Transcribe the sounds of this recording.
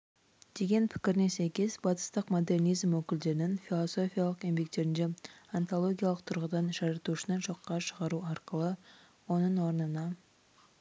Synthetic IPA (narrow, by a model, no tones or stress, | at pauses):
d̪̥e̞ɡʲe̞npʰɪ̥kʲɪɾnesæjkʲezbɑt̪ə̥st̪əqmo̞d̪e̞rnijzmwɵkʲɪld̪e̞ɾɪnɪnfʲilˠoso̞fʲijalˠəqe̞mbe̞k̚t̪e̞ɾɪnd̪eant̪ʰolˠo̞ɡʲijalˠəq̚t̪ʰʊɾʁəd̪ɑnʒɑɾɑt̪uʃɪnɑʃo̞qːɑʃəʁɑɾuɑɾqəlˠə | wo̞nəɴwo̞ɾnənɑ